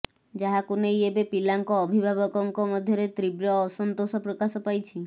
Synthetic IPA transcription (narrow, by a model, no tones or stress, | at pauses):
d͡ʒaɦakunejebepilaŋkɔːbʱibʱabɔkɔŋkɔmɔd̪ʱjɔɾet̪ɾibɾɔːsɔnt̪osɔpɾɔkasɔpajt͡ʃʰi